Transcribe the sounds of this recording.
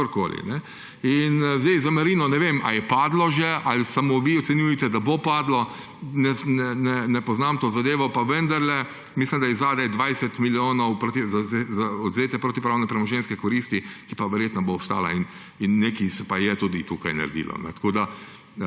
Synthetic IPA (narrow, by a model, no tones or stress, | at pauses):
oɾkoːlḭnɛ | inzd̪ɛjzamaɾiːnɔnɛʋemʔa̰jɛpaːd̪lɔʒɛalisamoʋiɔt̪sɛnjujɛt̪ɛd̪abopaːd̪lɔ | nɛnnɛnɛpɔznamt̪oːzad̪eːʋɔpaʋənd̪aɾlɛ | mislimd̪ajɛzaːd̪ɛjɛd̪ʋajsɛt̪miljoːnɔwpɾot̪izazezaɔd̪zeːt̪ɛpɾoːt̪ipɾaːwnɛpɾɛmɔʒenskɛkɔɾiːst̪ikipaʋɛɾjeːt̪nɔboːst̪a̰ːla̰in | inːekisɛpajɛt̪ud̪it̪uːkajna̰ɾɛd̪ḭlɔ̰nɛ̰t̪ḁkoːd̪a